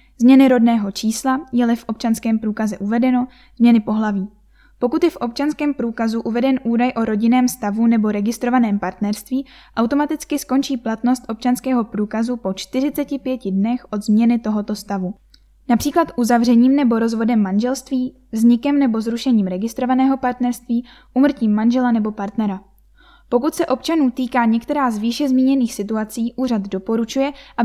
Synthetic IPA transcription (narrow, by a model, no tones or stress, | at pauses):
zmɲɛnɪɾo̞dnɛːɦo̞t͡ʃiːslajɛlɛfʔo̞p̚t͡ʃanskɛːmpɾuːkazɛʔuvɛdɛno̞ | zmɲɛnɪpo̞ɦlaviː | po̞kut̪jɛfʔo̞p̚t͡ʃanskɛːmpɾuːkazuʔuvɛdɛnʔuːdajʔo̞ɾo̞ɟɪnɛːmst̪avunɛbo̞ɾɛɡɪst̪ɾo̞vanɛːmpaɾt̪nɛɾst̪viːʔawt̪o̞mat̪ɪt͡skɪsko̞nt͡ʃiːplat̪no̞st̪ʔo̞p̚t͡ʃanskɛːɦo̞pɾuːkazupo̞t͡ʃt̪ɪrɪt͡sɛcɪpjɛcɪdnɛxʔo̞d̪zmɲɛnɪt̪o̞ɦo̞t̪o̞st̪avu | napr̥iːklat̪ʔuzavrɛɲiːmnɛbo̞ɾo̞zvo̞dɛmːanʒɛlst̪viː | vzɲɪkɛmnɛbo̞zɾuʃɛɲiːmɾɛɡɪst̪ɾo̞vanɛːɦo̞paɾt̪nɛɾst̪viː | ʔumr̩ciːmːanʒɛlanɛbo̞paɾt̪nɛɾa | po̞kut̪sɛʔo̞pt͡ʃanuːt̪iːkaːɲɛkt̪ɛɾaːzviːʃɛzmiːɲɛniːxsɪt̪uat͡siːʔuːr̝ad̪do̞po̞ɾut͡ʃujɛʔa